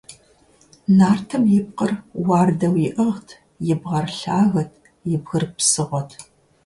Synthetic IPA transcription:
naːrtʰɐmjɪp̚qərwɑːrdɐwiʔɐʁtʰ | jɪbʁɐrɬaːɣɐtʰ | jɪbɣɨrpsɨʁʷɔtʰ

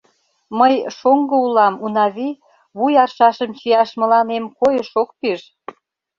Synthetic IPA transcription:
məjʃoŋɡɤ̆ulɑmunɑβi | βujɑrʃɑʃəmt͡ɕijɑʃmə̆lɑnemkojə̆ʃok̚piʒ

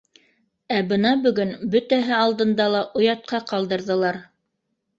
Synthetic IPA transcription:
æbɤnɑbɵ̆ɡɵnbɵt̪æɦɘɑlˠd̪ɤ̆nd̪ɑlˠɑʔŏjɑt̪̚qɑqɑlˠd̪ɤ̆ɾðɤ̆lˠɑɾ

